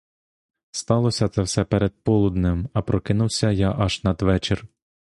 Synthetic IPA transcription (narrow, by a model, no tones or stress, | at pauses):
st̪ɑlˠɔsʲɐt̪sɛwsɛpɛɾed̪̚pɔlˠʊd̪nɪmɐpɾɔkɪnuwsʲɐjaʔɐʒnɐd̪ʋɛt͡ʃer